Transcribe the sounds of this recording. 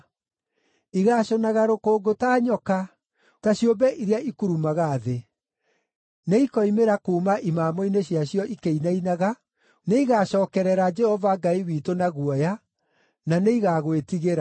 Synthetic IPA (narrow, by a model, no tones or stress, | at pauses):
iɣaːɕɔnaɣaɾokoːɡotaːɲɔka | taɕjombɛʔiɾeaikuɾumaɣaːðe | neikɔimeɾakuːmaʔimaːmɔineɕjaɕjɔʔikeinainaɣa | neiɣaːɕɔːkɛɾɛɾad͡ʒɛhɔvaɡaiwitonaɣuɔja | naneiɣaɣwetiɣeɾa